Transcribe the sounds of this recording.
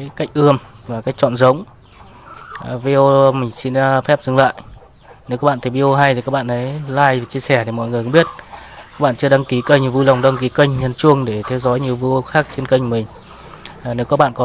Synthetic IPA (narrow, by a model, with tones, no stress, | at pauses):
ka˦˥k̟̚ʔɨ˧əmvaː˨˩kaː˨˦˥k̚t͡ɕɔ̰˧˨nzə˨˦wŋ͡m | vi˧o˧mï˨˩ŋ̟si˧n˧fɛ˦˥p̚zɨ˨˧˩ŋla̰ː˧˨j | ne˨˦wkɔː˨˦˥ɓa̰ː˧˨nt̪ʰːɓi˧o˧ɦa˧jt̪ʰi˨˩kaː˦˥k̚ɓa̰ː˧˨ʔə˨˦jlaː˧jt͡ɕi˧əsɛ˧˩t̪i˧˩mɔ̰˧˨jŋɨ˨˩kːɓi˦˥ət̚a˦˥k̚ɓa̰ː˧˨nt͡ɕɨ˧ə˧ɗa˧ŋki˨˦kə˧˩ɲi˨˩əwvu˧la˨˩wŋ͡mɗa˧ŋki˨˦kə˧jŋ̟ɲə˨˩nt͡ɕu˧əŋɗe˧˩t̪ʰɛ˨˧˦wzɔ˨˦jɲi˨˩əwvu˧xaː˦˥k̚t͡ɕe˧nkə˧jŋ̟mï˨˩ŋ̟ː˨˩ | ne˨˦wkɔ˨˦˥kɓa̰ː˧˨nkɔ˨˦